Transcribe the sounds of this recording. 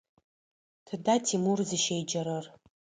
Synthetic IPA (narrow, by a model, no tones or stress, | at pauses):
tʰdatʰimurzɨʃejd͡ʒaɾɨr